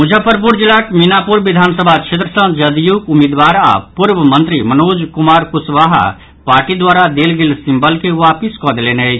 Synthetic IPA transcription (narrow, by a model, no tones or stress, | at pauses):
mud͡ʒʱəpəɾp̬uɾd͡ʒilːakminapuɾʋid̪ʱaːnsəbʱakt͡ʃʰet̪ɾəsə̃d͡ʒəd̪jukumed̪ʋaɾa̰puɾbəmə̃nt̪ɾimənoːd͡ʒkumaɾkusʋaɦ | paːɾʈid̪waɾad̪elɡelsimbəlkeʋapiskɔd̪elenət͡ʃʰ